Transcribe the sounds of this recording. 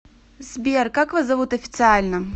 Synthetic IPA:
zʲbʲɛrkakvazɐvut̪ɐfʲit̪sɨalʲnɐ

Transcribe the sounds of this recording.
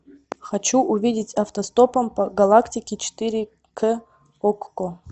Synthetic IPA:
xɐt͡ɕuʔʊvʲidʲɪtʲɐft̪ɐst̪opɐmpɐɡɐlˠaktʲɪkʲɪt͡ʃɪ̥t̪ɨɾʲɪ | kʰə | okːo

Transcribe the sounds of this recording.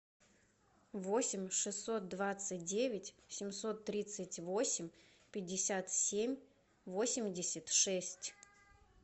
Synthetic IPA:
vosʲɪmʲʂɨsːo̞t̪̚d̪vat̪sɨt̚ʲdʲevʲɪtʲsʲɪmʲso̞t̪ːɾʲit̪sɨtʲvo̞sʲɪmʲ | pʲɪdʲːɪsʲat̪sʲemʲ | vo̞sʲɪmʲdʲɪsʲɪtʲʂɛsʲtʲ

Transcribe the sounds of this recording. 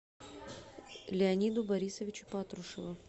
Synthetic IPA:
lʲɪɐnʲid̪ʊbɐɾʲisəvʲɪt͡ɕʊ̥pat̪ɾʊʂɨvʊ

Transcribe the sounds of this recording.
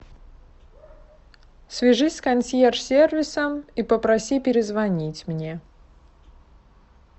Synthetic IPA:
sʲvʲɪʐɨsʲkɐnʲsʲjersʲervʲɪsəmipəpɾɐsʲipʲɪɾʲɪzvɐnʲitʲmnʲe

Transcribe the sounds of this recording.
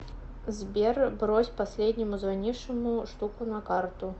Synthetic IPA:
zʲbʲɛrbɾɔsʲpasʲlʲɛd̪ʲnʲimuzvanʲiʂɨmuʂt̪ukunɐkart̪u

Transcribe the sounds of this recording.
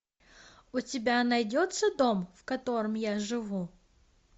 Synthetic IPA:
ʊtʲɪbʲanɐjdʲot̪səd̪o̞mfkɐt̪o̞ɾɨmjaʐɨvu

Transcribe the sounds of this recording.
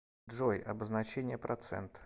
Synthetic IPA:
ʐojɐ̰bəznɐt͡ɕenʲɪjəpɾʔɐt̪sɛ̰nt̪

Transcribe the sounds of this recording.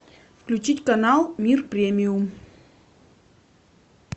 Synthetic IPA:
fklʲʉt͡ɕitʲkɐnalˠmʲirpɾʲemʲɪʊm

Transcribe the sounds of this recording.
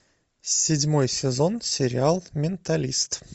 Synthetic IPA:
sʲɪdʲmojsʲɪzonsʲɪɾʲɪalˠmʲɪnt̪ɐlʲist̪

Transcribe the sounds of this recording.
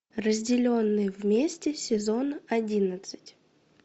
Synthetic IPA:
rəzʲdʲɪlʲo̞nːɨjvmʲesʲtʲɪsʲɪzo̞nɐdʲinət̪sɨ̥tʲ

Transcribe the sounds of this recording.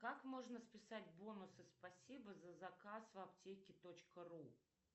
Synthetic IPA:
kakmo̞ʐnəspʲɪsatʲbo̞nʊsɨspɐsʲibəzəzɐkasvɐptʲekʲɪt̪ot͡ɕkəru

